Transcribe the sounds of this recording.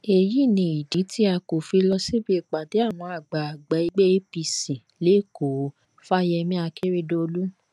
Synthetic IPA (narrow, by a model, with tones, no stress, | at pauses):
e˧˨ji˦˨nĩ˧i˨di˨˦ti˦a˧ko˨fi˧lɔ˧si˦bi˧˦i˨k͡pa˨de˨˦a˦˨w̃ɔ̃˧a˨ɡ͡ba˨a˨ɡ͡ba˨˦i˧ɡ͡be˦e˦pi˧sĩ˨ | le˨˦˨ko˨˦ | fa˦jɛ˧mĩ˦a˧kʰe˦ɾe˦do˧lu˦